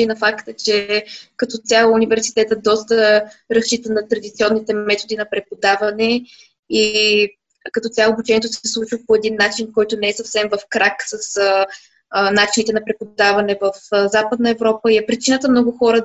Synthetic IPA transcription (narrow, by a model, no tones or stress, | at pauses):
inɐfakt̪ət͡ʃɛkɐt̪ɔt̪ʲalˠunivɛɾsi̥t̪ɛt̪əd̪ɔst̪əɾɐst͡ʃit̪ənɐt̪ɾɐd̪it̪siɔnːit̪ɛmɛt̪od̪inɐpɾɛpod̪avɐnɛ | i | kɐt̪ɔt̪ʲaːbut͡ʃɛniɛt̪ʊsɛslˠut͡ʃvəpoɛd̪inːat͡ʃinkɔjt̪onɛɛsɐfsɛmvəfkɾaksəs | nat͡ʃinit̪ɛnɐpɾɛpod̪avɐnɛvəfzapəd̪nəɛvɾɔpəiɛpɾit͡ʃinət̪əmnɔɡʊxɔɾə